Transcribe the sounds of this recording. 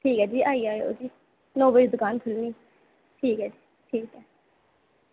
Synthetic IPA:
ʈʰiːkɛːd͡ʒiːʔaːiːaːeo̰ːd͡ʒiː | noːbəiːd̪ʊkaːnt̪ʰʊlniː | ʈʰiːkɦɛːd͡ʒiː | ʈʰiːkɛː

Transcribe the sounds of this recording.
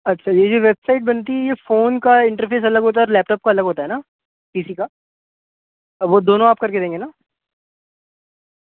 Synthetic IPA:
ɐtːʃʰajed͡ʒoʋeːbsaɪʈ̚bɐnt̪̬iɛjefoːnkaɪ̃ɳʈəɾpʰeːs̬ɐləɡɦoːt̪aɛɔːɾlɛːp̚ʈɔːp̚kaɐləɡɦoːt̪aɦɛnaː | piːsika | ʋod̪oːnõaːp̚kɐɾked̪ẽːŋɡenaː

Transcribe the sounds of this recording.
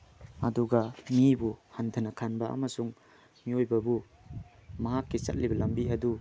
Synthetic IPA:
ɐduɡɐmibuhantʰɐnɐkʰanbɐʔɐ̰mɐsuŋ | miojbɐbu | mɐɦakːit͡ʃɐ̰t̚libɐlɐmbiɐdu

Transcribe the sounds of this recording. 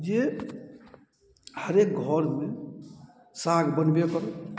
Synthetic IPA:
d͡ʒe | həɾek̚ɡʱɔɾme | saɡbənbekɔɾ

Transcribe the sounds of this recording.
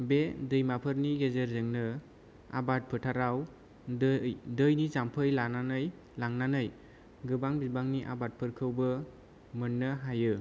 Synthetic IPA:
bedɯjmapʰɯɾniɡezeɾzɯŋnɯ | a̰bat̚pʰɯtʰaɾaw | jdɯjnizampʰɯjlananɯj | laŋnanɯj | ɡɯbaŋbibaŋniʔa̰bat̚pʰɯɾkʰɯwbɯ | mɯnːɯɦajɯ

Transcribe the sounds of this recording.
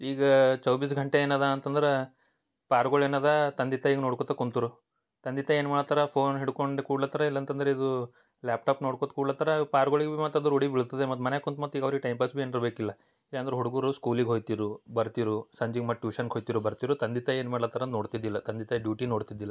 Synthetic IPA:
iːɡɐt͡ʃɐwbis̬ɡʱɐɳʈeeːnaːd̪ɐːnt̪ɐnd̪ɐɾe | paːɾɡoɭeːnaːd̪ɐt̪ɐnd̪it̪ɐiːɡɐnoɽkot̪ɐkːunt̪uɾu | t̪ɐnd̪it̪ɐeːnmaːɽɐt̪ɐɾɐpʰoːnɦiɽkoɳɖekuːɽlɐt̪ɐɾɐilːɐnt̪ɐnd̪ɐɾeid̪u | laːp̚ʈaːpnoːɽkot̪kuːɽlɐt̪ɐɾɐpaːɾɡoɭiɡemɐt̪ɐd̪uɾoɽibiɭt̪ɐd̪emɐt̪ːmɐnekont̪mɐt̪ːiːɡɐʋɾiɡeʈɐjmpɐsbieniɾbeːkilːɐ | ilːɐɐnd̪ɾɦuɽuɡuːɾuskuːliɡɦojt̪iɾubɐɾt̪iɾusɐɲd͡ʒiɡmɐʈːjuːʂɐnɦojt̪iɾubɐɾt̪iɾut̪ɐnd̪it̪ɐeːnmaːɽlɐt̪ːɐɾɐnoːɽt̪id̪ːilːɐt̪ɐnd̪it̪ɐɖjuːʈinoːɽt̪id̪ːilːɐ

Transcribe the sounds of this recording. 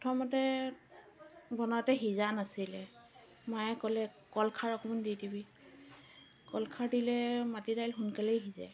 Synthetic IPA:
ɔtʰɔmɔtɛ | bɔnɔatɛɦizanasilɛ | majɛkɔlɛ | kɔlkʰaɹɔkɔmanditibi | kɔlkʰaɹdilɛmatidajlɦunkalɛjɦiza̰

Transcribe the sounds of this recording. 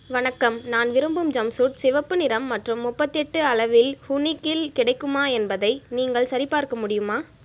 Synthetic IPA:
ʋɐɳɐkːɐmnaːnʋɪɾɯmbɯmd͡ʒɐmsuːʈ̚sɪʋɐpːɯnɪɾɐmːɐʈrɯmːʊpːɐt̪ːɛʈːɯɐɭɐʋɪlhʊnɪkːɪlkɪɽɐɪkːɯmaːɛnbɐðɐɪniːŋɡɐɭsɐɾɪpaːɾkɐmʊɽɪjɯmaː

